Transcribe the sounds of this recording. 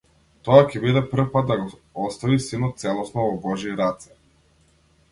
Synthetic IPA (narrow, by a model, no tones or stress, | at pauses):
t̪ɔakʲɛbid̪ɛprɾ̩fpad̪̚d̪aɡɔ | ɔst̪avisinɔt̪̚t̪sɛlˠɔsnɔvɔbɔʒiɾat̪sɛ̥